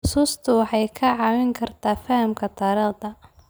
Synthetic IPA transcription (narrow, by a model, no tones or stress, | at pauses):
ħʊsuːst̪ʰʊwɑħɑjkʰɐʕɑːwɪŋkʰɐrt̪ʰaːfɐhɐmkʰɐt̪ʰɐːɾɐːd̪ɐ